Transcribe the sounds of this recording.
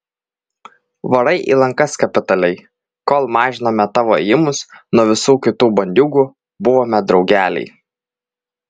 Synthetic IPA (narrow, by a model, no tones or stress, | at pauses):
ʋɐɾɐɪʔḭlˠɐŋkɐskɐpʲɪt̪ɐlʲɛɪ | koːlˠmɑːʒʲɪnoːmʲɛt̪ɑːʋoɛjɪmʊsnuɔʋʲɪsuːkʲɪt̪uːbɐnʲd̪ʲuːɡuː | bʊʋoːmʲɛd̪ɾɒʊɡʲæːlʲɛ̰ɪ